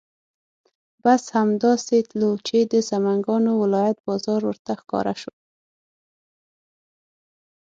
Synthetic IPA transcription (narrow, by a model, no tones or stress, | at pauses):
bashamd̪ɑset̪lut͡ʃed̪əsamaŋɡɑnowɪlɑjat̪̚bɑzɑɾwəɾt̪axkɑ̰ɾaʃo